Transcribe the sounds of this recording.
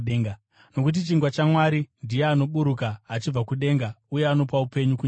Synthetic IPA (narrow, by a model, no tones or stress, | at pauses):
a | no̞kut̬it͡ʃiŋɡwat͡ʃamwaɾindijeano̞ɓuɾukaːt͡ʃib͡vakuɗe̞ːŋɡauje̞ano̞paupe̞ɲukuɲ